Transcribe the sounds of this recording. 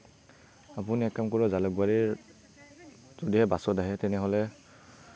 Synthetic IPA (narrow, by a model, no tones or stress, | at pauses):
ap̬uniɛkːamkɔɹɔzalɔɡ̚baɹi | z̥odiɦɛbasɔdaɦɛtɛnɛɦɔlɛ